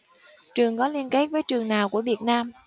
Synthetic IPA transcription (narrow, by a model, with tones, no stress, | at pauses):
t͡ɕɨ˨˩əŋkɔ˨˦li˧ənke˦˥k̚vəː˨˦jt͡ɕɨ˨˩əŋnaː˨˩wku˧˩əvi˨˩ət̚naː˧m